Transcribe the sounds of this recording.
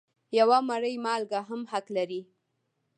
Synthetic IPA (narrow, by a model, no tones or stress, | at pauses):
jawamaɽəjmɑlɡaɦamhaklaɾi